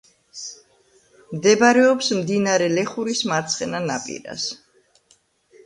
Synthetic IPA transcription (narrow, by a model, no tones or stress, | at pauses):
md̪ɛbaɾɛɔpsmd̪inaɾɛlɛχuɾismaɾt̪sʰχɛnana̰pʼḭɾa̰s